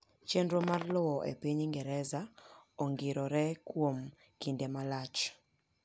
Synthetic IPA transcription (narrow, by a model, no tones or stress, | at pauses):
t͡ʃendɾomarlɔwɔʔḛpiɲiŋɡɛɾɛzaɔŋɡɪɾɔɾɛkwom | kindemalat͡ʃ